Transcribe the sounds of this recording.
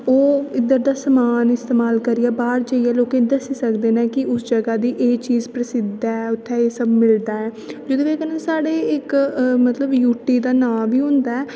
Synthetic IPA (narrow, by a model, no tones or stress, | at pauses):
oːɪd̪əɾd̪aːsəmaːnɪst̪eːmaːlkəɾijaːbaːɾd͡ʒəijaːloːkẽːd̪əsiːsəkd̪eːnɛ̃ːkɪʔʊsd͡ʒəɡaːd̪iːʔeːt͡ʃiːzpɾəsɪd̪ːaɛːʊt̪ʰːɛːeːsəbmɪld̪aːɛː | d͡ʒəd̪õːeːkənẽːsaːɽeːɪkmət̪ləbjuːʈiːd̪aːnaːbiːɦʊ̃nd̪aːɛː